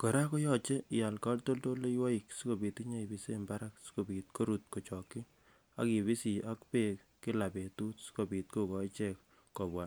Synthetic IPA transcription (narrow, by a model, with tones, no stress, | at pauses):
ko˨ɾa˦ko˦jɔ˦˨t͡ʃe˦ja˨lkɔ˦lto˦lto˦le˦wɔ˦i˨ksi˦ko˨bi˨ti˦ɲa˦i˨bi˨se˦mba˦ɾa˦ksi̥˦ko˨bi˨t̚ko˦ɾu˨t̚ko˨t͡ʃɔ˨kːi˦ | a̰˦ki˨bi˦si˨ʔa˦kpe˦k | kɪ˦la˨pe˨tu˦tsi̥˦ko˨pi˨t̚ku˦kɔ˨i˦t͡ʃɛ˦kː | ɔ˨bwa˨